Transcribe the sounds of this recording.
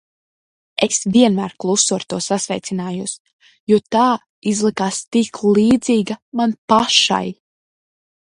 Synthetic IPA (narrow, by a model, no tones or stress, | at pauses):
esvʲiɛnmæːɾklˠusuaɾt̪uɔsasvɛjt̪sinaːjus | juɔt̪aː | izlˠikaːst̪iklˠiːd̪ziːɡamanpaʃa̰j